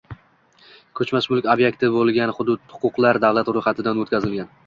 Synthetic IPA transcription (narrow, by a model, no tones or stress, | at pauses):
kʰɵt͡ʃmaʃmʊlˠkʲobjekʲt̪ʰɪbolˠɡʲanχʊd̪ʊd̪hʊ̥qʰʊqlˠaɾd̪awlat̪ɾʊjχɑt̪ʰɪd̪anot̪kʲazɪlɡʲan